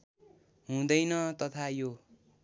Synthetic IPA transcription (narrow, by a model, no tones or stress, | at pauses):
ɦũd̪ʌjnʌt̪ʌt̪ʰajo